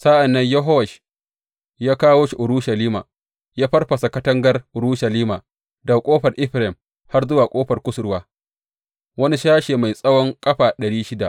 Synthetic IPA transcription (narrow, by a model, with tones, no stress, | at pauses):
sa˦ʔa˨nːɐ˦ɲjɐ˦ɦɔ˦wɐ˨ʃ | jaː˦kaː˦woː˦ʃi˨ʔʊ˨ɾu˦ʃɐ˨liː˦ma̰ː˨ | jaː˦ɸɐ˦rɸɐ˨sa˨kɐ˦tɐ˦ŋɡɐ˦rʔʊ˨ɾu˦ʃɐ˨liː˦maː˨ | da˨kʷʼoː˦ɸɐ˨rʔɪ˦ɸɾɛ˨m | ha˦rzʊ˦waː˨kʷʼoː˦ɸɐ˨rkʷʊ˦sʊ˨˦ɾwaː˦ | wɐ˦ni˦ʃaː˦ʃeː˨ma˨jsʼɐ˦wɔ˦ŋkʼɐ˦ɸaː˨ɗɐ˨ɽiː˦ʃɪ˦da̰˨ʔ